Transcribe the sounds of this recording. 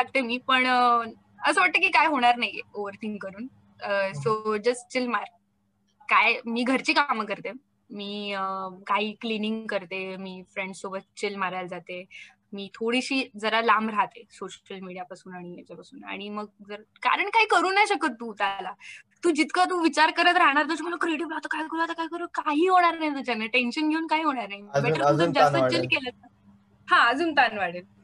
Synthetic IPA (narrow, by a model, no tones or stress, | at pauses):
ak̚t̪emiːpəɳ | əsəʋaʈ̚t̪əkiːkajɦoɽ̃aɾnaɦjoʋəɾt̪ʰĩŋɡkəɾuːn | əsod͡ʑəst͡ɕilmaɾ | kajmiːɡʱəɾt͡ɕiːkamkəɾt̪e | miːəkaɦiːkliniŋɡkəɾt̪emiːfɾeɳɖsobət̪t͡ɕilmaɾald͡zat̪e | miːt̪ʰoɽiɕiːd͡zəɾalamɾaɦt̪esoɕəlmiɽijapasuːnaɽ̃ijat͡ɕapasuːna̰ɽ̃iməɡ̚d͡zəɾka̰ɾəɳkaɦiːkəɾuːnajɕəkət̪ːuːt̪ala | t̪uːd͡ʑit̪kat̪̬uʋit͡ɕaɾkəɾət̪̬əɾaɽ̃aɾt̪əɕəkmləkɾeɽiplat̪əkaikolat̪əkaɦikəɾəkaɦiːɦoɽ̃aɾnaɦjt̪ud͡ʑanːaʈenɕənɡʱeuːnkaɦiːɦoɽ̃aɾnaɦibɛʈəɾtud͡zəd͡zat̪ət͡ɕelkelət | hãəd͡zuːnt̪anʋaɽel